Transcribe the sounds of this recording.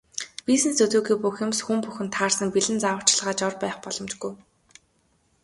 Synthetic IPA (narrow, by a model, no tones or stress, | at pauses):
wisnĕsɵt͡s̪uːɣiːpuxʊ̆msxumpuxɘ̆nt̪ʰːaːrsə̆mpiɮɘ̆nt͡sawə̆kʰt͡ɕɮʁaːt͡ɕɔrpæːχpɔɮɞ̆mt͡ɕɡuj